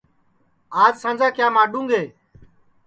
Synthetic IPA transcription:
aːzsãːnd͡ʒãːkjaːmaːɗũːŋɡeː

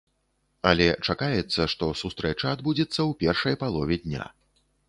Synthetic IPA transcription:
ɐlʲɛt͡ʂakajɛt̪sːɐʂt̪ɔsust̪ɾɛt͡ʂɐːd̪bud͡zʲɛt̪sːɐwpʲɛrʂɐjpalˠɔvʲɛd̪ʲnʲa̰

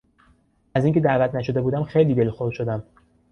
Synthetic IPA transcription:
æziːŋcʲʰe̞d̪æːvæt̪ʰnæʃo̞d̪e̞buːd̪æmxejliːbelxoɾd̪̥ʃo̞d̪æm

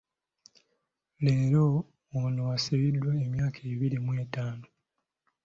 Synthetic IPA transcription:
leːɾoː | nowasaβidːwaemjaːkʰeːβiɾimwe̞ːtaːno

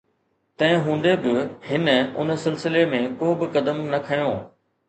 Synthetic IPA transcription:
t̪ɐ̃ɦɪ̃ɦũːn̆d̪ebɪhɪnəʊ̰nəsɪlsɪlemẽkoːbɪkɐd̪əmnɐkʰɐjõː

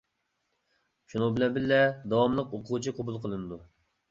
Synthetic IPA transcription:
ʃunɨŋbɪlɛnbɪlːɛd̪ɑwɑmlˠəqoqʰʊt͡ʃʰiqʰobulˠqʰəlˠɨnɨd̪u

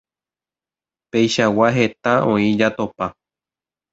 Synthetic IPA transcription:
pe̞jʃawaɦe̞t̪aʔõĩd͡ʒat̪opa

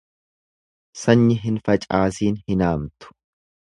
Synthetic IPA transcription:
sɐɲːɪɦɪnfɐt͡ʃʼaːsiːnhɪnaːmt̪ʊ̥

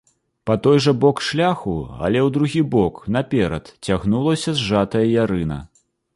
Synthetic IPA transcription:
pɐt̪ɔjʐɐbɔkʂlʲaxuɐ̰lʲɛwd̪ɾuɣʲibɔkn̪ɐpʲɛɾɐ̰t̪t͡sʲaɣnulˠɐsʲɐzʐat̪ɐjɐjaɾɨnɐ̰

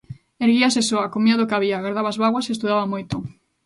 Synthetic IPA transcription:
eɾɣiasesoakomjaðokaβiaɣaɾðaβazβaɣwasest̪uðaβamojt̪o

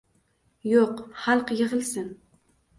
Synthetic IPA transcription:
joqχɑlˠqjɪʁɨlˠsɪn

